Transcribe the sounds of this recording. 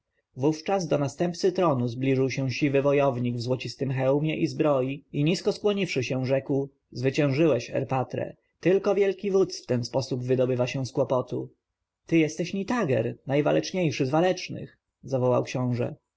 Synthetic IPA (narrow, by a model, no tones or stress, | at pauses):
vuft͡ʂazd̪ɔnast̪ɛmp̚t̪sɘt̪ɾɔnuzblʲiʐɘwɕɛ̃w̃ɕivɘvɔjɔvɲiɡvzwɔt͡ɕist̪ɘmxɛwmʲjɛʔizbɾɔjiiɲiskɔskwɔɲifʂɘɕɛ̃ʐɛkw | zvɘt͡ɕɛ̃ʐɘwɛɕɛ̰ɾpat̪ɾɛ̰ | t̪ɘlkɔvʲjɛlkʲivut̪sft̪ɛnspɔsubvɘd̪ɔbɘvaɕɛw̃skwɔpɔt̪u | t̪ɘjɛst̪ɛɕɲit̪aɡɛ̰ɾnajva̰lɛt͡ʂɲejʂɘzvalɛt͡ʂnɘ̰x | zavɔwa̰wkɕɔ̃w̃ʐɛ̰